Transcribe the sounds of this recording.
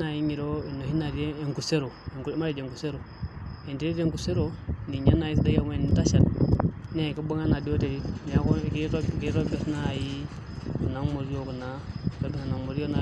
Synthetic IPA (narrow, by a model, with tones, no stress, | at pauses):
a˨ji˦ɲi˨ɾo˦i˨nːo˨hi˦na˨de˦e˨ŋku˨se˦ɾo˨e˨ŋku˨ɾi˦ma˦ɾi˨d͡ʒe˨ŋku˨se˦ɾo˨ | e˨nti˦ɾi˦te˦˨ŋku˨se˦ɾo˨ni˨ɲa˦nːa˨ji˦sda˦ja˨˦m˦e˦˨ni˦ta˦ʃa˨t̚ne˦˨ki˦ba˦ŋa˦na˨di˦o˦te˨ɾi˦n˨a˦ko˦ki˦ko˦ki˦ɾo˦be˨sna˦˨ji˦ | ku˨na˦mo˨ɾi˦o˦ku˨na˦˨ko˦bi˦˨a˨na˨mo˨ɾo˦na˨